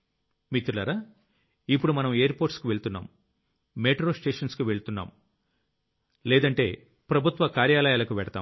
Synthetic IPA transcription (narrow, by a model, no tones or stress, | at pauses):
mit̪ɾulɐɾaː | ipːuɽumɐnɐmeːɾpoːɾʈskuʋe̞ɭut̪unːa̰ːm | meːʈɾo̞ːsʈe̞ːʂɐnskuʋe̞ɭut̪unːa̰ːm | lɛːd̪ɐɳʈe̞̰ː | pɾɐbʱut̪ʋɐkaːɾjaːlɐjaːlɐkuʋɛɽɐt̪a̰ːm